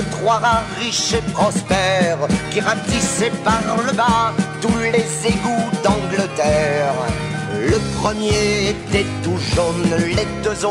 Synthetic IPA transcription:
ət̪χwaʁaʁiʃepχɔspɛʁkiʁat̪isɛpaʁləbat̪ulezeɡud̪ɑ̃ɡlət̪ɛʁ | ləpχəmjeet̪ɛt̪uʒonlɛd̪əzɔ̃

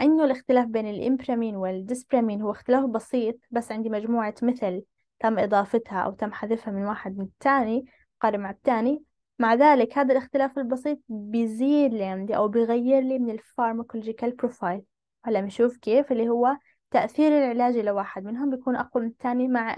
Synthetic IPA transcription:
ʔɪnːʊlɪxt̪ɪlaːfbeːnɪlʔɪ̰mpɾamiːnwɪld̪ɪspɾamiːnhʊwːaɪxt̪ɪlaːfbɑsiːt̪̚ˤbasːʕɪnd̪imad͡ʒmuːʕamɪθɪl | t̪amːʔɨd̪ˤɑːfɪt̪haʔa̰wt̪amːħaðɪfhamɪnwaːħɪd̪̚mɪnɪt̪ʰːaːni | qɑːɾɪmaʕɪb̚t̪ːaːni | maʕðaːlɪkhaːd̪alɪxt̪ɪlaːfɪlbɑsˤiːt̪̚ˤbɪjziːd̪liʕɪnd̪iʔa̰wbɪjɣajːɪɾlimɪnɪlfɑɾˤmaklod͡ʒɪkalpɾofajl | whalːamʃuːfkeːfʔɪlːihʊwːa | t̪aʔθiːɾɪlʕɪlaːd͡ʒlawaːħɪd̪̚mɪnɦʊmbjakuːnʔa̰qwalmɪnɪt̪ːaːnimaʕ

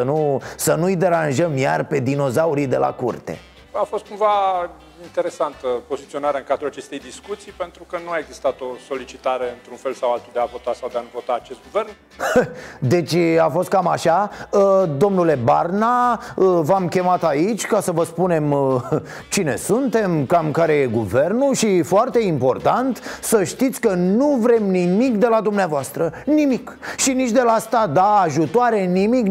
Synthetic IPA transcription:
ənusənujd̪e̞ɾanʒəmjarpe̞d̪ino̞zauɾid̪e̞la̰kṵrt̪e̞̰ | afo̞st̪kumva | int̪e̞ɾe̞sant̪əpo̞zit̪sionaɾeɨŋkad̪ɾulat͡ʃe̞st̪e̞jd̪iskut̪sijpe̞nt̪ɾukənuaeɡzist̪at̪o̞so̞lit͡ʃit̪aɾe̞ɨnt̪ɾunfe̞lsawalt̪uld̪eavo̞t̪asawd̪eanuvo̞t̪aːt͡ʃe̞st̪̚ɡuve̞rn | d̪e̞t͡ʃʲafo̞st̪̚kamaʃaəd̪o̞mnule̞barnaəvamkʲe̞mat̪ait͡ʃʲkasəvəspune̞m | t͡ʃine̞̰sunt̪e̞mkamkaɾe̞je̞ɡuve̞rnuʃifoart̪e̞impo̞rt̪ant̪səʃt̪it̪sʲkənuvɾe̞mnimikd̪e̞lad̪umneavoast̪ɾənimikʃinit͡ʃd̪e̞laast̪ad̪aːʒut̪oaɾe̞nimik

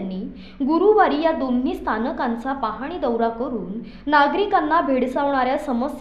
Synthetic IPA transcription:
nːiː | ɡuɾuʋaɾiːjad̪on̤iːst̪ʰanəkãnt͡sapaɦaɽ̃iːd̪əwɾakəɾuːnː | aɡɾikanːabʱeɽsaʋɳ̃aɾjasəməs

